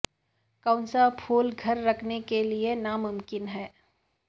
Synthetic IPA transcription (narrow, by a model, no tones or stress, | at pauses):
kãʊ̃nsapʰuːlɡʱɐɾːɐkʰnekelienamʊmkɪnɦɛː